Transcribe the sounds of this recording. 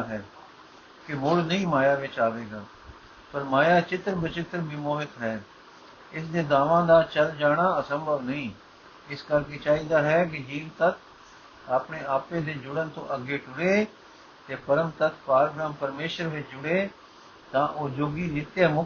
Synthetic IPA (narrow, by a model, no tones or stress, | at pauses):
ɦɛː | kɪmʊɽnəĩːmaːjaːʋɪt͡ʃaːʋeːɡaː | pəɾmaːjaːt͡ʃɪt̪ɾbɪt͡ʃɪt̪ɾbɪmoːɦɪt̪ɦɛː | ɪsd̪eːd̪aːʋãːd̪aːt͡ʃəld͡ʒaːɽ̃aːəsəmbəʋnəĩː | ɪskəɾkeːt͡ʃaːiːd̪aːɦɛːkɪd͡ʒiːɾt̪ət̪ʰ | aːpɳeːaːpeːd̪eːd͡ʒʊɽənt̪õ̰ːʔəɡeːʈʊɽeː | t̪eːpəɾəmt̪ət̪ʰpaːɾɡɾaːmpəɾmeːʃəɾʋɪt͡ʃd͡ʒʊɽeː | t̪ãːʔoːd͡ʒoːɡiːnɪt̪jaːmʊ